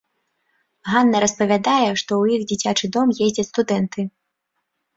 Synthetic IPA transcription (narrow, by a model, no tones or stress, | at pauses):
ɣanːɐɾɐspɐvʲad̪ajɛʂt̪ɔwjixd͡zʲit͡sʲat͡ʂɨd̪ɔmjezʲd͡zʲɐst̪ud̪ɛnt̪ɨ